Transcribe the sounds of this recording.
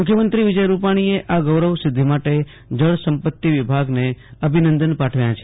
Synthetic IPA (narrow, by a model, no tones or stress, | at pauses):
mʊkʰjəmənt̪ɾiʋɪd͡ʒəjɾupaɽ̃ieʔʔaɡəʋɾəʋsɪd̪ʱːimaʈe | d͡ʒəɽsəmpət̪ːiʋibʱaɡneəbʱinənd̪ənpaʈʰʋjãt͡ʃʰe